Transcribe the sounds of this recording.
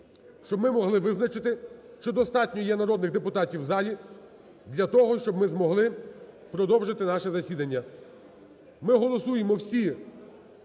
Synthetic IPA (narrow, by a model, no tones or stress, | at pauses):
ʃt͡ʃɔbmɪmɔɦlˠɪʋɪznɐt͡ʃɪt̪ɪʃt͡ʃɔd̪ɔst̪ɑtʲnʲɔjɛnɐɾɔd̪nɪɣd̪epʊt̪ɑtʲiwzɑlʲi | d̪lʲɐt̪ɔɦɔʃt͡ʃɔbmɪzmɔɦlˠɪpɾɔd̪ɔwʒɪt̪ɪnɑʃɛzɐsʲid̪ɐnʲːɐ | mɪɦɔlˠɔsujemɔwsʲi